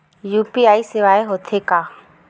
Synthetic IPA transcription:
juːpiːaːiseʋaːeɦoːt̪ʰeːkaː

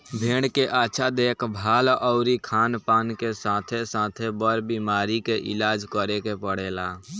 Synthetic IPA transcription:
bʱẽːɽkeʔaːʃʰad̪eːkʰbʱaːlɔʊɾikʰaːnpaːnkesãːt̪ʰesãːt̪ʰebəɾbimaːɾikeʔɪ̰laːd͡ʒkəɾekepəɽ̤eːla

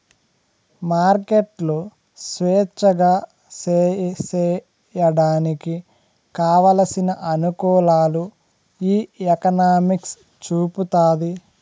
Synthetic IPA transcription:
maːɾkeʈlu | sʋɛːt͡ʃːɐɡaː | ssɛ | jɐɽaːniki | kaːʋaːlɐsinɐʔɐnukɔːlaːlu | iːekɐnaːmiks | t͡ʃuːput̪aːd̪i

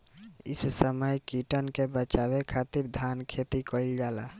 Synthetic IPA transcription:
ɪ̰ssəməjkiʈənkebət͡ʃabekʰat̪iɾd̪ʱankʰet̪ikəild͡ʒala

